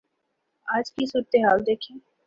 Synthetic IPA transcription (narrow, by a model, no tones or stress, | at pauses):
aːd͡ʒkisuːɾət̪eɦaːld̪eːkʰiẽː